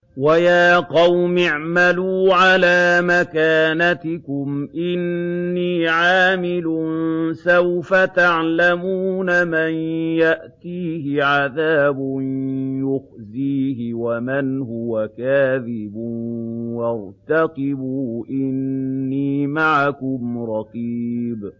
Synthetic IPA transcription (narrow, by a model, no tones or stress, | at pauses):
wajaːqɑwmɪʕmaluːʕalaːmakaːnat̪ɪkʊmʔɪnːiːʕaːmɪlʊnsawfat̪aʕlamuːnamanjaʔt̪iːhɪʕaðaːbʊnjʊxziːɦɪwamanhʊwakaːðɪbʊwɑɾt̪aqɪbuːʔɪnːiːmaʕakʊmɾˤɑqib